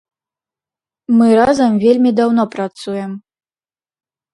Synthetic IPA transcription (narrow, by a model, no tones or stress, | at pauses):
mɨɾazɐmvʲelʲmʲid̪awnɔpɾat̪sujɛm